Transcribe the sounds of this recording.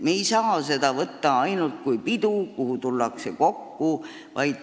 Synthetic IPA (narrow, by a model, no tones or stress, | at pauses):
mejsɑːse̞d̪̥ɑvɤt̪ːɑɑjnult̪̚kujpid̪̥ukuhut̪ulːɑkseko̞kːu | vɑjd̪̥